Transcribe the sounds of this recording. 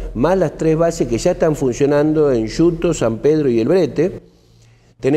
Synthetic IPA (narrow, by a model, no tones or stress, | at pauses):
mazlast̪ɾezβaseskeʒaeht̪aɱfunsjo̞nãnd̪o̞enʃut̪osampeðɾoie̞lβɾet̪e | t̪ene